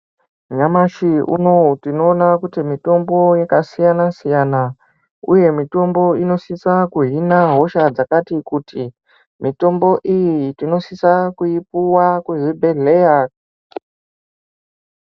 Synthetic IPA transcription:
ɲamaʃiṵno̞tino̞ːnakutimito̞mbo̞jekasijanasijana | ṵje̞mito̞mbo̞ino̞sisakuɦinaɦo̞ʃad͡zakatikuti | mito̞mbo̞ʔijitino̞sisakuipuwakweʐibʱe̞ɮeja

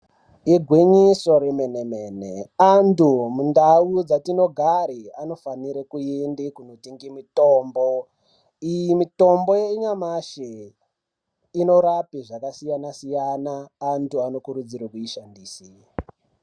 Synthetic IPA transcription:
iɡʱwiɲiso̞ɾemenemeneantumundaud͡zatino̞ɡʱaɾiano̞faniɾekuendekunotiŋɡimitoːmbo | ijimito̞mbo̞jeiɲamaʃe | ino̞ɾapiʐakasijanasijanaːntuano̞kuɾud͡ziɾakuiʃandiːsi

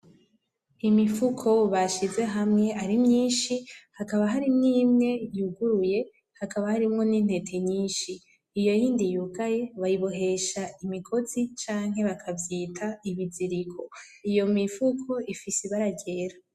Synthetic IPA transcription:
imifukʰo̞βaʃize̞ɦamŋe̞ʔaɾimɲiːnʃihakaβaɦaɾimŋiːmŋe̞juɡuɾuje̞ | hakaβahaɾimŋo̞nin̥he̞tʰe̞ɲiːnʃiː | jo̞jiːndijukaje̞βajiβo̞ɦe̞ʃaimikʰo̞zit͡ʃaːŋ̥ɦe̞βakʰavjiːtʰaiβiziɾikʰo̞ | ijo̞mifukʰo̞ʔifisiβaɾaɟe̞ːɾa

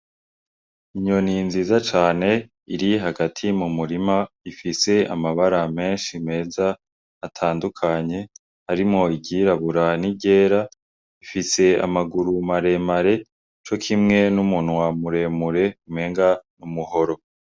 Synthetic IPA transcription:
iɲo̞ninziːzat͡ʃaːne̞ | iɾiɦaɡatʰimumuɾima | ifise̞a̰maβaɾame̞ːnʃime̞ːzaː | tʰaːndukʰaɲe̞ | haɾimŋo̞iɟiɾaβuɾaniɟe̞ːɾa | ifise̞a̰maɡuɾumaɾe̞maɾe̞ | t͡ʃo̞kʰimŋe̞numunwamuɾe̞ːmuɾe̞umeːŋɡanumuho̞ɾo̞

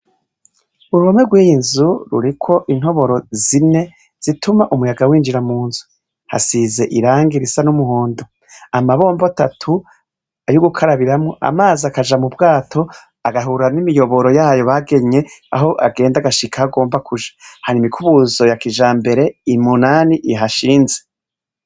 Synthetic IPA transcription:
uɾuβomweɡwiːjinzuɾṵɾikʰo̞ʔin̥ho̞βo̞ɾo̞zine̞ | z̥itʰumaʔumujaɡawiːnd͡ʒiɾamuːnzu | ha̰size̞ʔiɾaːŋɡiɾisanumuhoːndo | amaβo̞ːmbatatʰu | ajuɡukʰaɾaβiɾamŋoʔa̰maːziakaʒamubɡaːtʰo̞ | aɡaɦuɾanimijo̞βo̞ɾo̞jaːjo̞βaɡe̞ɲe̞aɦo̞ʔaɡe̞ːndaɡaʃikʰahaɡo̞ːmbakuʒḁhaɾimikʰuβuzo̞jakiʒaːmbe̞ɾe̞imunaːniʔiɦaʃiːnze

